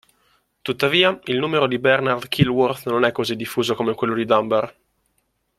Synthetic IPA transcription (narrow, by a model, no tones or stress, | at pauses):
t̪ut̪ːaviːailnuːmeɾod̪ibɛrnard̪kʰilwort̪nonɛkːozid̪ifːuːzokomekwelːod̪id̪amber